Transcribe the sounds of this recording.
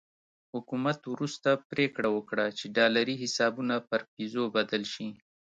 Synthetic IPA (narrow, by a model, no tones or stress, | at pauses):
hʊkumat̪wɾust̪apɾekɽawəkɽat͡ʃeɖɑlaɾiɦɪsɑbunapəɾpizobad̪əlʃi